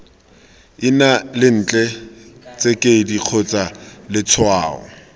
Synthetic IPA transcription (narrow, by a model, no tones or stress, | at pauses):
ɪnalɪn̩ːt͡ɬʼɛt͡sʼekʼediq͡χʰot͡salɪt͡sʰʊaːʊ̰